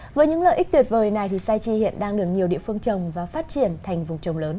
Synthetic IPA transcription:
vəː˨˦jɲɨ̰˧˥ŋlə̰˧˨ʔi˦˥k̚t̪wi˨˩t̚vəː˨˩jna˨˩jt̪ʰi˨˩saː˧jt͡ɕi˧hḭ˧˨ənɗaː˧ŋɗɨ˨˩ək̚ɲi˨˩əwɗḭ˧˨əfɨ˧əŋt͡ɕə˨˩wŋ͡mvaː˨˩faː˦˥t̚t͡ɕi˧˩ənt̪ʰa˨˩jŋ̟vʊ˨˩wŋ͡mt͡ɕə˨˩wŋ͡mləː˨˦n

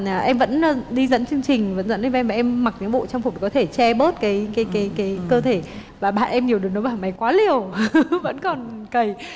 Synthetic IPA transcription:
ʔɛ˧mvə̰˧˥n˨ɗi˧zə̰˧˥nt͡ɕɨ˧əŋt͡ɕï˨˩ŋ̟və̰˧˥nzə̰˧˥nʔvmvaː˨˩ʔɛ˧mːa˨˩k̚ɲɨ̰˧˥ŋɓo̰˧˨t͡ɕɔ˧ŋ͡mf̚kɔ˨˦t̪ʰe˧˩t͡ɕɛ˧ɓəː˦˥t̚kaː˨˦jkaː˨˦jkaː˨˦jkaː˨˦jkəː˧t̪ʰe˧˩vaː˨˩ɓa̰ː˧˨nʔɛ˧mɲi˨˩əwɗɨ˨˩no˨˦ɓaː˨˩ma˨˦jkwaː˨˦li˨˩əwvə̰˧˥nkɔ˨˩nkə˧˩j

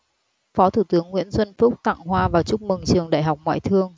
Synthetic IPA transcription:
fɔ˨˦t̪ʰu˧˩t̪ɨ˨˦əŋːwi˧˥ənzwə˧nfʊ˦˥k͡p̚t̪a̰ː˧˨ŋɦwaː˧vaː˨˩wt͡ɕʊ˦˥k͡p̚mɨ˨˩ŋt͡ɕɨ˨˩əŋɗa̰ː˧˨jɦa˨˩wk͡p̚ŋwa̰ː˧˨jt̪ʰɨ˧əŋ

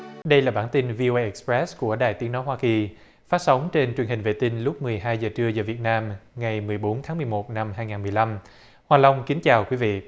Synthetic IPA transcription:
ɗə˧jlaː˨˩ɓaː˧˩nt̪i˧nvi˧ʔo˧ʔə˧ʔɛ˧˩k̚spɹɛ˦˥sku˧˩əɗa̰ː˨jt̪i˨˦no˨˦jɦwaː˧ki˨˩ | faː˦˥t̚sə˨˦wŋ͡mt͡ɕe˧nt͡ɕwi˨˩ənhï˨˩ŋ̟vḛ˧˨t̪i˧ŋlʊ˦˥k͡p̚mɨ˨˩əjɦaː˧jzəː˨˩t͡ɕɨ˧əzəː˨˩vi˨˩ət̚naː˧mŋa˨˩jmɨ˨˩əjɓo˨˦nt̪ʰaː˨˦ŋmɨ˨˩əjmo˨˩t̚na˧mɦaː˧jŋaː˨˩nmɨ˨˩əjla˧m | hwaː˨˩lə˧wŋ͡mki˨˦ŋt͡ɕaː˨˩wkwi˨˦vḭ˧˨

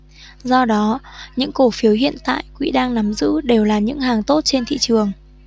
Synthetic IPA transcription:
zɔ˧ɗɔ˨˦ɲɨ̰˧˥ŋko˧˩fi˨˦əwɦḭ˧˨ənt̪a̰ː˧˨jkwḭ˧˥ɗaː˧ŋna˨˦mzɨ̰˧˥ɗe˨˩wlaː˨˩ɲɨ̰˧˥ŋɦaː˨˩ŋt̪o˦˥t̚t͡ɕe˧nt̪ʰḭ˧˨t͡ɕɨ˨˩əŋ

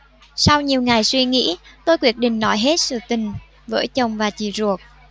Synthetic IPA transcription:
sa˧wɲi˨˩əwŋa˨˩jswi˧ŋḭ˧˥t̪o˧jkwi˦˥ət̚ɗḭ̈˧˨ŋ̟nɔ˧˦jɦe˦˥t̚sɨ̰˧˨t̪ï˨˩ŋ̟ | və̰ː˧˦jt͡ɕə˨˩wŋ͡mvaː˨˩t͡ɕḭ˧˨˩zu˨˩ək̚

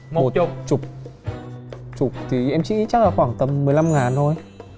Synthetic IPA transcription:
m˨o˨˩t̚t͡ɕʊ˨˩k͡p̚ | t͡ɕʊ˨˩k͡p̚t̪ʰi˨˩ʔɛ˧mt͡ɕḭ˧˥t͡ɕa˦˥laː˧˩xwaː˧˩ŋt̪ə˨˩mːɨ˨˩əjla˧mŋaː˨˩nzʰo˧j

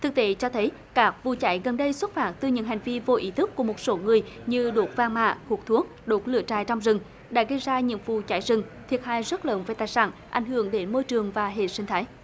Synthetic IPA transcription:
t̪ʰɨ˨˩k̚t̪e˨˦t͡ɕɔ˧t̪ʰə˨˦j | kaː˦˥k̚vṵ˧˨t͡ɕa˧˦jɣə˨˩nɗə˧jswə˦˥t̚faː˨˩m̚t̪ɨ˧˩ɲɨ̰˧˥ŋɦa˨˩jŋ̟vi˧vo˧ʔi˨˦t̪ʰɨ˦˥kːu˧˩əmo˨˩t̚so˨˦ŋɨ˨˩əjɲɨ˧ɗo˨˩t̚vaː˧ŋma̰ː˧˨ku˨˩ək̚t̪ʰu˨˦ək̚ɗo˨˩t̚lɨ̰˧˩ət͡ɕaː˧˩jt͡ɕɔ˧wŋ͡mzɨ˨˩ŋ | ɗa̰ː˧˥ɣə˧jzaː˧ɲɨ̰˧˥ŋvṵ˧˨t͡ɕa˧˩˦jzɨ˨˩ŋt̪ʰi˨˩ət̚ha̰ː˧˨jzə˦˥t̚ləː˨˦nve˨˩t̪aː˨˩jsa̰ː˧˩nʔa˧˩jŋ̟hɨ̰˧˩˨əŋɗe˨˦nmo˧jt͡ɕɨ˨˩əŋvaː˨˩ɦḛ˧˨swï˧ŋt̪ʰaː˨˦j

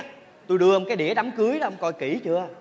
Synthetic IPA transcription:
t̪u˧jɗɨ˧ə˨˩kaː˨˦jɗi˧˩əɗa˨˦mkɨ˨˦əjɗɔː˨˦ə˧wŋ͡mkɔ˧˩jki˧˩t͡ɕɨ˧˨

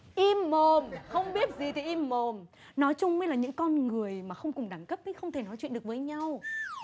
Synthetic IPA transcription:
ʔi˧mːo˨˩mxə˧wŋ͡mɓi˦˥ət̚zi˨˩t̪ʰi˨˩ʔi˧mːo˨˩m | nɔ˨˦jt͡ɕʊ˧ŋ͡mŋə˧˦jlaː˨˩ɲɨ̰˧˥ŋkɔ˧nŋɨ˨˩əjmaː˨˩xə˧wŋ͡mkʊ˨˩ŋ͡mɗaː˧˩ŋkə˦˥p̚ʔi˨˦xə˧wŋ͡mt̪ʰe˧˩nɔ˨˦jt͡ɕwḭ˧˨ɗək̚vəː˨˦jɲa˧w

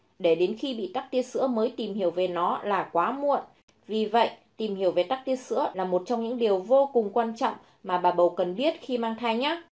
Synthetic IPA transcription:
ɗe˧˩ɗe˨˦nxi˧ɓḭ˧˨t̪a˦˥k̚t̪i˧əsɨ̰˧˥əməː˨˦jt̪i˨˩mhi˧˩əwve˨˩nɔ˨˦laː˨˩kwaː˨˦mṵ˧˨ən | vi˨˩və̰˧˨jʔt̪i˨˩mhi˧˩əwve˨˩t̪a˦˥k̚t̪i˧˦əsɨ̰˧˥əlaː˨˩mo˨˩t̚t͡ɕɔ˧wŋ͡mɲɨ̰˧˥ŋɗi˨˩əwvo˧kʊ˨˩ŋ͡mkwaː˧nt͡ɕɔ̰˧˨wŋ͡m | maː˨˩ɓaː˨˩ɓə˨˩wkə˨˩nɓi˦˥ət̚xi˧maː˧ŋt̪ʰaː˧jɲaː˨˦

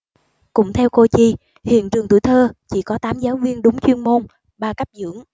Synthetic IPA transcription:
kʊ̰˧˩ŋ͡mt̪ʰɛ˧wko˧t͡ɕi˧˩ | hḭ˧˨ənt͡ɕɨ˨˩ŋt̪ṵ˧˩jt̪ʰəː˧t͡ɕḭ˧˩kɔ˨˦t̪aː˨˦mzaː˨˦wvi˧ənɗʊ˨˦ŋ͡mt͡ɕwi˧ənmo˧n | ɓaː˧ka˦˥p̚zɨ̰˧˥əŋ

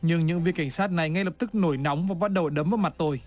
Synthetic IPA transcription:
ɲɨ˧ŋɲɨ̰˧˥ŋvḭ˧˨ka˧˩jŋ̟saː˦˥t̚na˨˩jŋa˧jlə˨˩p̚t̪ɨ˦˥k̚no˧˩jnɔ˨˦wŋ͡mvaː˨˩ɓa˦˥t̚ɗə˨˩wɗə˨˦mvə˨˦jma˨˩t̚t̪o˧j

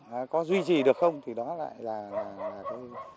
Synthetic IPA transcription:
aː˨˩kɔ˨˦zwi˧t͡ɕi˨˩ɗɨ˨˩ək̚xə˧wŋ͡mt̪ʰi˨˩ɗɔ˨˦la̰ː˧˨jlaː˨˩laː˨˩laː˨˩kaː˨˦

